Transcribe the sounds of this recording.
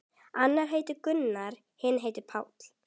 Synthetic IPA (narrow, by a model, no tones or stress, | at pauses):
anːaɾ̥ɦeːjt̪ʏɾkʏnːaɾ̥ | hɪnːɦeːjt̪ʏpʰaːwt̪l̥